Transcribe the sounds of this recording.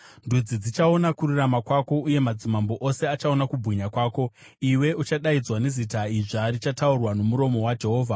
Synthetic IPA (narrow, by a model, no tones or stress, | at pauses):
ndud͡zid͡zit͡ʃao̞nakuɾuramakwako̞uje̞mad͡zimambo̞ʔose̞at͡ʃaonakubʱwiɲakwaːko̞ | iwe̞ut͡ʃaɗaid͡zwane̞zitaiʐaɾit͡ʃataurwano̞muɾo̞mo̞wad͡ʒe̞ɦo̞ːvʱa